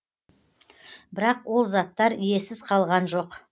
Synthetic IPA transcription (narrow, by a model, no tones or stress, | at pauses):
bɪɾɑqwo̞lˠzɑt̪ːɑɾije̞sɪz̥qʰɑlˠʁɑnʒo̞q